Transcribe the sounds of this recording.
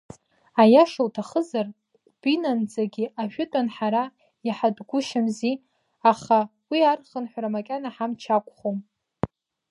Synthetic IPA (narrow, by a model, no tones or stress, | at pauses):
ajaʂɨwtʰaχəzar | b̥inand͡zaɡʲɪʔaʃᶣʊtʼanħaɾa | jaħadɡʷʊʃamzi | aχawiarχənħʷaɾamakʲʼanaħamt͡ʃʰakʷʼχom